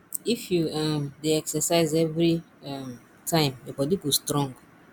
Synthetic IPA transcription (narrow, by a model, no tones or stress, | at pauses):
ifjuamdeɛksɛsaɪzɛvɾi | am | tʰãɪ̃mjabɔdiɡustɾɔ̃ŋɡ